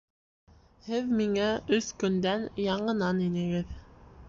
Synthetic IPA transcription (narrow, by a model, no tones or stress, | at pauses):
hɘðmiŋæɵskɵ̆nd̪ænjɑɴɤ̆nɑninɘ̆ɡɘð